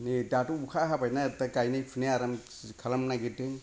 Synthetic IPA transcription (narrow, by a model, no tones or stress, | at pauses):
nidatubukʰaɦapajnatakajnajpʰɯneaɾam | kʰalamnaɡiɯŋ